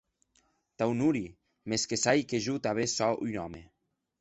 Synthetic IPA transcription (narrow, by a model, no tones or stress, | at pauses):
t̪awnuɾi | meskesajkeʒut̪aβesɔṵjnɔme